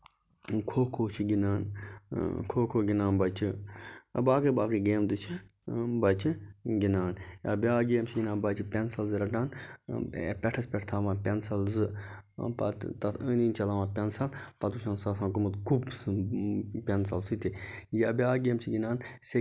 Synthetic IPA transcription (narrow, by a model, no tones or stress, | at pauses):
kʰoːkʰoːt͡ʃʰiɡinaːn | kʰoːkʰoːɡʲinaːnbɐt͡ʃʰiɐ̰baːkiːbaːkiɡeːmd̪ɨt͡ʃʰibɐt͡ʃʰiɡinaːnja̰ːbʲaːɡeːmt͡ʃʰiɡinãːnbɐt͡ʃʰipʲensɐlzɨɾɐʈaːn̰ | pʲɛʈʰɐspʲɛʈʰt̪ʰaːʋãːpʲensɐlzɨ | pɐ̰t̪t̪ɐəniːnt͡ʃɐlaːʋãːpʲɛnsɐlpɐt̪uʃʰãːnsɐsãːkumut̪kʰub | pʲɛnsɐlsit̪ijaːbʲaːɡeːmt͡ʃʰiɡinaːnse